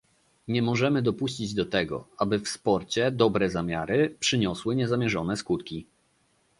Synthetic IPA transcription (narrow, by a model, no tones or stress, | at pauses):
ɲɛmɔʐɛmɘd̪ɔpuɕt͡ɕid͡ʑd̪ɔt̪ɛɡɔ̰abɘfspɔɾt͡ɕɛd̪ɔbɾɛzamʲjaɾɘpʂɘɲɔswɘɲɛzamʲjɛʐɔnɛskut̪kʲi